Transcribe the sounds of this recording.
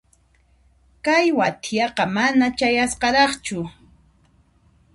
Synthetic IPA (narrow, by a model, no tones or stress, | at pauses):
kajwat̪ʰjɑqɑmanat͡ʃajasqɑɾɑχt͡ʃʊ